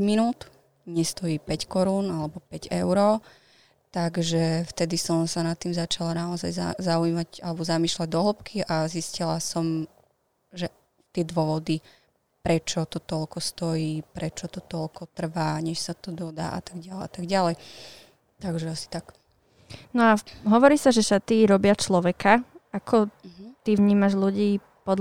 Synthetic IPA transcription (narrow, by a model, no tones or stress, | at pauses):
minuːt̪ | ɲɛst̪ɔjiːpɛckɔɾuːnalɛbɔpɛɟɛ̰ʊɾɔ | t̪aɡʒɛft̪ɛd̪isɔmsanat̪ːiːmzat͡ʃalanaɔzajzazauiːmaɟalɛbɔzamiːʃlaɟ̚d̪ɔɦlɔpkʰiʔaziscilasɔm | ʒɛ | t̪ɪɛd̪ʋʊɔʋɔd̪i | pɾɛt͡ʃɔt̪ɔt̪ɔlkɔst̪ɔjiːpɾɛt͡ʃɔt̪ɔt̪ɔlkɔt̪r̩ʋaːɲɛʃsat̪ɔd̪ɔd̪a̰ːʔa̰t̪aɡɟalɛat̪aɡɟalɛj | t̪aɡʒɛasi̥t̪ak | nɔaɦɔʋɔɾiːsaʒɛʃat̪iɾɔbɪat͡ʃlɔʋɛkaakʰɔt̪iʋɲiːmaʒluɟiː | pɔd̪